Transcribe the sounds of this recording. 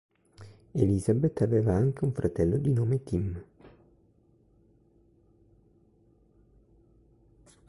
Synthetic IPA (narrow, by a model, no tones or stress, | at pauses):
eliːzabet̪ːaveːvaaŋk̟euɱfɾat̪ɛlːod̪inoːmet̪im